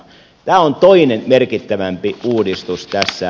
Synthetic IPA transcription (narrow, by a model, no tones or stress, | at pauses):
t̪æːont̪oinenmerkit̪ːæʋæmpiuːdist̪ust̪æsːæ